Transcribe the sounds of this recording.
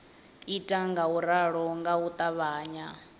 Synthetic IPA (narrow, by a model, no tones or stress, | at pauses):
itʼaŋɡauɾaɺɔŋɡaut̪ʼaβaːɲa